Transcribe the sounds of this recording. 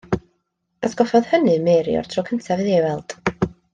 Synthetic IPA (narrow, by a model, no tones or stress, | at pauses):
asɡ̥ɔfɔð̥hənɨmeɾj̰ɔ̰rtʰrɔkʰəntʰavɨðewɛlˠd̥